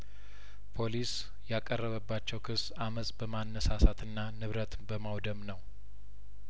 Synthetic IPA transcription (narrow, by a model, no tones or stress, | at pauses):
pʰo̞lis | jakʼərːəβəbːat͡ʃːɛwkʰɨs | aməsʼbəmanːəsasat̪ɨnːanɨβɾət̪bəmawd̪əmnəw